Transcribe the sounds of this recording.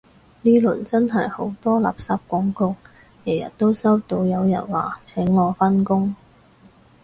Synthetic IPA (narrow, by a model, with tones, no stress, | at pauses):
niː˥lɵ˨˩nt͡sɐ˥nɦɐ˨jho˨˥wt̪ɔː˥la̰ː˨˩p̚saː˧p̚kʷɔː˨˥ŋkʊ˧ŋ̚ | jɛː˨˩jɐ̰˨t̚t̪o˥wsɐ˥wt̪o˧wjɐ˨˧wjɐ̰˨˩nwa̰ː˨t͡sʰɛ˨˥ŋːɔː˨˧fɐ˥nkʊ˥ŋ